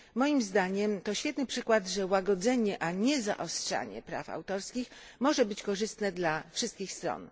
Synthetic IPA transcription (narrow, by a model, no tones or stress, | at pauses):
mɔjimzd̪aɲɛmt̪ɔɕfʲjɛt̪nɘpʂɘkwad̪ʐɛwaɡɔd̪zɛɲɛʔaɲɛza̰ʔɔstʂa̰ɲɛ̰pɾa̰fa̰wt̪ɔɾskʲix | mɔʐɛbɘt͡ɕkɔʐɘst̪nɛd̪lafʂɘst̪kʲixst̪ɾɔ̰n